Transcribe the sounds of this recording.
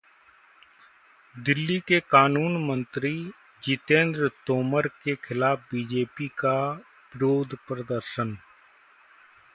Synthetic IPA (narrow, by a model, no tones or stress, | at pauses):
d̪ɪlːiːkekaːnuːnmə̃nt̪ɾiː | d͡ʒɪt̪ẽːnd̪ɾt̪oːməɾkekʰɪlaːp̚ʰbiːd͡ʒeːpika | ʋɪɾoːd̪ʱpɾəd̪əɾsən